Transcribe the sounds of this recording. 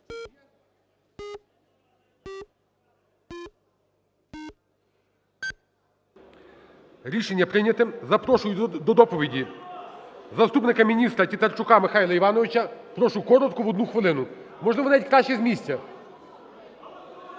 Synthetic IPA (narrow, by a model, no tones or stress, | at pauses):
ɾʲiʃenʲːɐpɾɪnʲɐt̪ɪmzɐpɾɔʃʊjʊd̪ɔd̪ɔpɔʋʲidʲi | zɐst̪upnɪkɐmʲinʲist̪ɾɐtʲit̪ɐrt͡ʃʊkɑmɪxɑjlˠɐiʋɑnɔʋʲɪt͡ʃɐpɾɔʃʊkɔɾɔt̪kɔʋɔd̪nuxʋɪlˠɪnʊ | mɔʒlˠɪʋɔnɑitʲkɾɑʃt͡ʃɛzmʲisʲt͡sʲɐ